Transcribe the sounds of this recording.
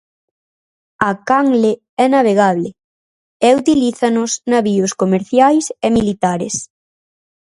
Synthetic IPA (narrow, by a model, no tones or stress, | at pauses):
akaŋle | ɛnaβ̞eɣaβlɪ | ɛut̪iliθanʊsnaβiʊskomeɾθjajsemilit̪aɾḛs